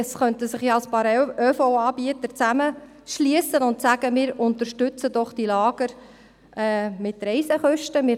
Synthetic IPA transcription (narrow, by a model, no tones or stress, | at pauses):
ɛsχœntəsɪχjaɑlspɑːɾøfoːɑːbiət̪əɾt͡sæmə | ʃliəsənʊntsæɡ̥əmɪːɾʊnt̪əɾʃtʏt͡sədɔχd̥ilɑːɡ̥əɾ | ɛːmɪtɾɛɪsɛχœʃtəmɪːɾ